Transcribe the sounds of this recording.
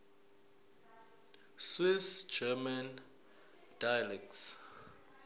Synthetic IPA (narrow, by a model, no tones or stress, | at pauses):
swisd͡ʒɛman | d̥ajalɛk̚s